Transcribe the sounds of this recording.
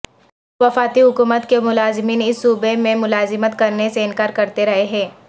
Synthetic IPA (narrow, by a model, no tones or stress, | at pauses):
ʋɐfaːt̪iɦʊkuːmət̪kemʊlaːzɪmiːnɪsːuːbemẽmʊlaːzɪmət̪kɐɾneseɪnkaːɾkɐɾt̪eɾɐɦeɦɛ̃ː